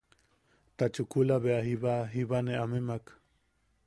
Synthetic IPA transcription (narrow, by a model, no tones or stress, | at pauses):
t̪at͡ʃukulaβeaɦiβaɦiβaneʔamemak